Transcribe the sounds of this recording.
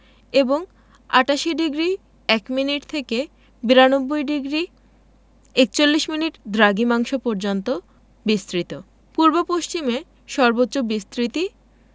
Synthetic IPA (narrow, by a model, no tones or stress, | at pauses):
eboŋ | a̰ʈaʃiɖiɡɾi | ɛkminiʈt̪ʰeke | biɾanobːojɖiɡɾi | ek̚t͡ɕolːiʃminiʈd̪ɾaɡimaŋʃopɔɾd͡ʑont̪o | bist̪ɾit̪o | puɾbopoʃt͡ɕime | ʃɔɾbotːɕobist̪ɾit̪i